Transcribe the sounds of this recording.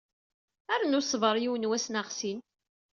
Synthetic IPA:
æɾənʊsˤvəɾˤjiwənwæsnaʁsin

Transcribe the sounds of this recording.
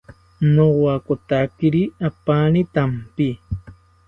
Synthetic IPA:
nowakot̪akiɾiapanit̪ampi

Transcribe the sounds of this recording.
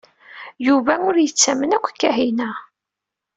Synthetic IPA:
juvæʊɾjət͡sːæmənækʷːkːæɦinæ

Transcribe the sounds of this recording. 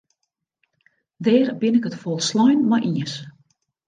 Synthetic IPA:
dɛːɾbɪnɪkətfɔlˠslɔjnmɔjʔiəs

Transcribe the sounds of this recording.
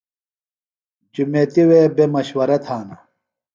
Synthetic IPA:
d͡ʑumeːt̪iweːbemɐɕwɐɾɐt̪ʰaːnɐ

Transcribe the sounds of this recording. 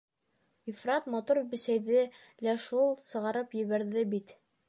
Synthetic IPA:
ifrɑt̪mɑt̪uɾbɘ̆sæjðɘ | læʃulˠsɤ̆ʁɑɾɤpjɘ̆βæɾðɘbit̪

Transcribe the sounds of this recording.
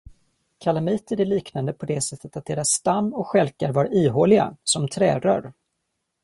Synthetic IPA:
kʰalamiːt̪əɖɛliːknand̪əpʰɔd̪ɛsɛt̪ʰːət̪at̪̚d̪eːɾasːt̪amːɔkɧɛlkaɾvaɾiːɦoːlɪɡa̰sɔmt̪ʰɾɛːɾœ̰ɾ

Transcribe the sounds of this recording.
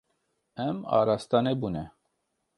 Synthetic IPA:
ɛmɑ̰ːɾast̪ɑnebunɛ

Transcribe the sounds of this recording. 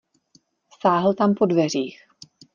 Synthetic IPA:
saːɦl̩t̪ampo̞dvɛr̝iːx

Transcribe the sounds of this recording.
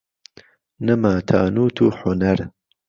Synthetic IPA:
nɐmaːt̪ʰa̰ːnuːt̪ʰuːħʊnɐɾ

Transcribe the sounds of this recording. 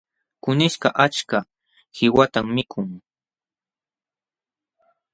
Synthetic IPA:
kʊnɪʃkɑʔat͡ʃka | hɪwat̪amːɪkʰʊŋ

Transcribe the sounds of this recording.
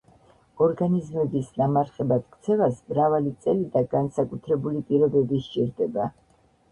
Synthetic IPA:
ɔɾɡanizmɛbisnamaɾχɛbat̪kʰʼt̪sʰɛvasmɾavalit̪sʼɛlid̪aɡ̥ansakʼut̪ʰɾɛbulipʼiɾɔbɛbiʃt͡ʃʼiɾd̪ɛba

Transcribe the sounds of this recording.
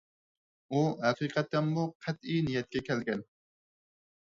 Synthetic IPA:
uæqʰiːqʰɑt̪ːɛnmuqʰæt̪ijnijɛt̪̚kʲɛkʲʰɛlɡʲɛn

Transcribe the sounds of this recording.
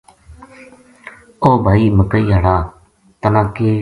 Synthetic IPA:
oːbʱaːiːməkəiːɦaːɽaː | t̪ənãːkeː

